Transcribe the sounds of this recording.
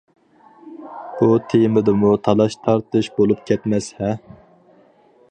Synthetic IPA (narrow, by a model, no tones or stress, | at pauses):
b̥ut̪ʰejmɪd̪ɨmut̪ʰɑlˠɑʃt̪ʰɑɾt̪ʰɨʃbolˠupkʲʰɛt̪mɛshɛ